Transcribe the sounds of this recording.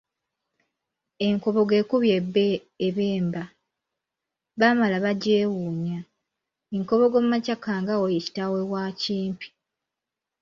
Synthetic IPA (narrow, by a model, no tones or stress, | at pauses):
eŋko̞βo̞ɡe̞ːkuβjebe | eβeːmba | βamalaβaɟeːwuːɲa | eŋko̞βo̞ɡo̞mumacakaːŋɡawojeci̥tawewaciːmpi̥